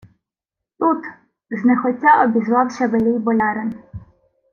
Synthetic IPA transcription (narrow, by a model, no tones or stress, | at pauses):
t̪ut̪ | znɛxɔtʲːaʔɔbʲizʋɑwʃʲɐʋelʲɪjbɔlʲɑɾen